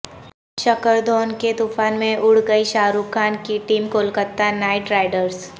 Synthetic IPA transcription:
ʃɐkəɾd̪ʱoːnket̪ufaːnmẽʔʊɽɡəiʃaːɾuːkʰːaːnkiʈiːmkoːlkəɾt̪anaːɪʈɾaːɪɖəɾs

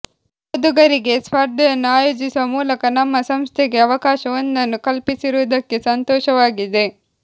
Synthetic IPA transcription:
od̪uɡɐɾiɡe̞sʋɐɾd̪ɐjɐnːuaːjoːd͡ʒisuʋɐmuːlɐkɐnɐmːɐsɐmst̪ʰeɡe̞ɐʋɐkaːʃɐʋɐnːɐnːukɐlpisiɾuʋːd̪ɐkːesɐnt̪ɔːʃɐʋaːɡid̪e̞

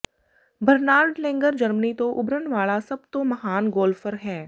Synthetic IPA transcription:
bəɾnaːɾɖlɛ̃ːŋɡəɾd͡ʒəɾmənit̪oʔʊbɾənʋaːɭasɐb̚t̪omɐɦaːnɡoːlfʰəɾɦɛː

